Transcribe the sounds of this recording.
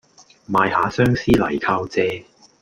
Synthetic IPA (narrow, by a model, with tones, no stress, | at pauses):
maː˨˧jhaː˨˥sœː˥ŋsiː˥lɐ̰˨˩jkʰaː˧wt͡sɛː˧